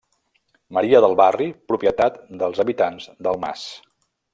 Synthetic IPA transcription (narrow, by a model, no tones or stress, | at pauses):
məɾiəðəlˠβaripɾupjət̪at̪d̪əlˠzəβit̪anzd̪əlˠma̰s